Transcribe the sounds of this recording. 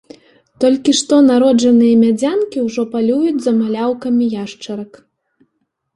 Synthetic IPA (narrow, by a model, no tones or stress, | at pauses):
t̪ɔlʲkʲiʂt̪ɔnaɾɔd͡ʐɐnɨjɐmʲad͡zʲankʲiwʐɔpalʲujud͡zʲzɐmalʲawkɐmʲijaʂt͡ʂɐɾɐk